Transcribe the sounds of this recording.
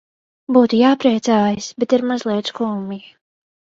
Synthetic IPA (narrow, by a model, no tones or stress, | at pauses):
buːt̪ujaːpɾiɛt̪saːjisbɛt̪iɾmazlˠiɛt̪skuːmi